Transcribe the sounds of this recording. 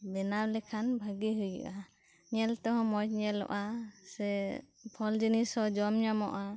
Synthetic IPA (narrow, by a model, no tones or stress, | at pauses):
bɛnawlɛkʰanbʱaɡiɦujḭʔa | ɲɛlt̪ɔɦɔ̃mɔt̚ɲɛlɔ̰ʔasɛ | pʰɔld͡ʒinisɔd͡ʒɔmɲamɔʔa